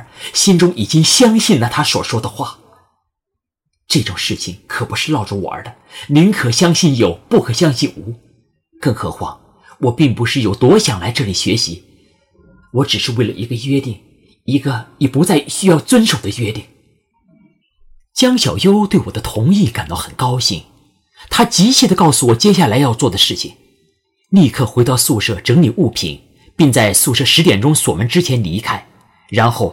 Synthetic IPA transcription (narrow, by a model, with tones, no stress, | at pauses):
ɕi˥nʈ͡ʂʊ˥ŋi˨˩t͡ɕi˥ŋɕjɑ˥ŋɕi˥˩nlə˩t̪ʰa˥swɔ̰˨˩ʂwɔ˥d̪ə˨xwa˥˩ | ʈ͡ʂɤ˥˩ʈ͡ʂʊ˨˩ŋʂɻ̩˥˩t͡ɕʰi˨˩ŋkʰɤ˨˩pu˧˥ʂɻ̩˥˧lɑ˥˧ʊʈ͡ʂu˧˩wɔ̰˨˩ə̰˞˧˥d̪ə˧ni˧˥ŋkʰɤ˨˩ɕjɑ˥ŋɕi˥˩njo˨˩ʊpu˥˩kʰɤ˨˩ɕjɑ˥ŋɕi˥˧nʔu˧˥ | kɤ˥˩ŋxɤ̰˧˥xwa̰˥˩ | wɔ˨˩pi˥˩ŋpu˧˥ʂɻ̩˥˩jo˨˩ʊt̪wɔ˧˥ɕjɑ˨˩ŋla˧˥ɪʈ͡ʂɤ˥˩li˨˩ɕɥɛ˧˥ɕi˧˥ | wɔ˧˥ʈ͡ʂɻ̩˨˩ʂɻ̩˥˧we˥˩ɪlə̰˩ʔḭ˧˥ɡə˧ɥɛ˥t̪i˥˩ŋ | i˧˥ɡə˧jɛ˨˩pu˧˥t͡sa˥˩ɪɕy˥jɑ˥˩ʊt͡swə˥nʂo˨˩ʊd̪ə˦ɥɛ˥t̪i˥˩ŋ | t͡ɕjɑ˥ŋɕjɑ˨˩ʊjo˥ʊt̪we˥˩wɔ˨˩d̪ə˦t̪ʰʊ˧˥ŋi˥˩ka˨˩nt̪ɑ˥˩ʊxə˨˩nkɑ˥ʊɕi˥˩ŋ | t̪ʰa˥t͡ɕi˧˥t͡ɕʰi˥˩d̪ə˩kɑ˥˩ʊsu˨˩wɔ˨˩t͡ɕjɛ˥ɕ̬ja˥˩la˧˥ɪjɑ˥˧ʊt͡swɔ˥˩d̪ə˩ʂɻ̩˥˩t͡ɕʰi˨˩ŋ | li˥˧kʰɤ˥˩xwe˧˥t̪ɑ˥˧ʊsu˥˧ʂɤ˥˩ʈ͡ʂɤ˧˥ŋli˨˩ʔu˥˩pʰḭ˧˩˦n | pi˥˧ŋt͡sa˥˧ɪsu˥˧ʂɤ˥˩ʂɻ̩˧˥t̪jɛ˨˩nʈ͡ʂʊ˥ŋswɔ˨˩mə˧˥nʈ͡ʂɻ̩˥t͡ɕʰjɛ˧˥nli˧˥kʰa˥ɪ | ɻa˧˥nxo˥˩ʊ